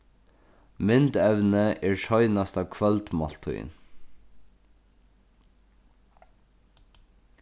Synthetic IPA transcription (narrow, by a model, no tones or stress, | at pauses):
mɪnd̪ɛʋnəʔeːɹʃœʏnɑst̪ɑːʋkʰʋɑlt̪mɑlt̪ʰʊ̰ɪ̰n